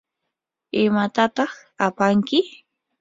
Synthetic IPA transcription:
ɪmat̪at̪ɑχ | apaŋkɪ

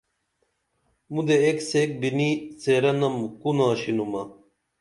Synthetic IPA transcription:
mud̪eeksek̚biniseɾɐnɐmkunãːɕinumɐ

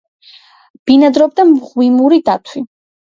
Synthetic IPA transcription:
b̥inad̪ɾɔb̚d̪amʁwimuɾid̪at̪ʰwi

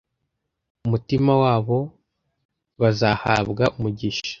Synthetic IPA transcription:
umutimawaːβo̞ | βazaha̰ːβɡaʔumuɟiʃḁ

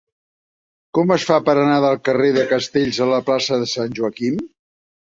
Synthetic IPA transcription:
kɔməsfapəɾənaðəlˠkəreðəkəst̪eʎzələplasəðəsanʲʒuəkim

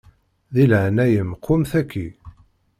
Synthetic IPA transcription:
ðilʕnæjəmqʰːʊmθækːi

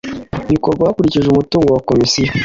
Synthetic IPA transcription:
βiko̞ɾɡwaakuɾiciʒeumutuːŋɡowako̞misija

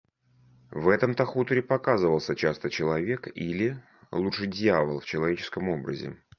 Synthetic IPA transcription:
vɛt̪əmt̪ɐxut̪əɾʲɪpɐkazɨvəlˠsʲət͡ɕast̪ət͡ɕɪlˠɐvʲe̞kilʲɪ | lˠuʂɨjdʲjavəlˠft͡ɕɪlˠɐvʲet͡ɕɪ̥skəmo̞bɾə̰zʲɪ̰

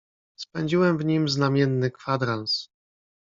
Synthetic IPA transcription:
spɛɲd͡ʑiwɛmvɲimznamʲjɛnːɘkfad̪ɾans

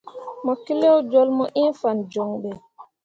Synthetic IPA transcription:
mɔkilɛwd͡ʒɔlmɔʔinfand͡ʒɔŋɓɛ

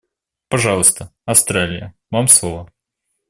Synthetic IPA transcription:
pɐʐɑlˠəst̪əɐfst̪ɾalʲɪjəvamslˠovə

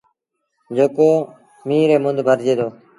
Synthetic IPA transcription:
d͡ʒoːkoː | miːɾeːmʊnd̪ʱbʱəɾd͡ʒeːd̪oː

